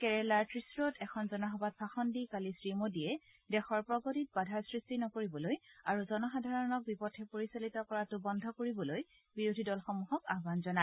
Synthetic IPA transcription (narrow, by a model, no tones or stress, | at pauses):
kɛɹɛlaɹtɹisɹɔtʰɛkʰɔnzɔnaɦɔbat̚baxɔndikalisɹimodiɛ | dɛxɔɹpɹɔɡotit̚badʱaɹsɹistinɔkoɹibɔlojaɹuzɔnɔxadʱaɹɔnɔk̚bipɔtʰɛpoɹisalitɔkɔɹatʊbɔndʱɔkoɹibɔloj | biɹodʱidɔlxɔmuɦɔkaɦbanzɔna